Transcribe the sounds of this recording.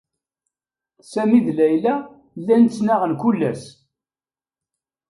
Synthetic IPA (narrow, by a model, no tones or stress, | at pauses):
sæmiðlæjlæ | lːænt͡sːnaʁənkulːæs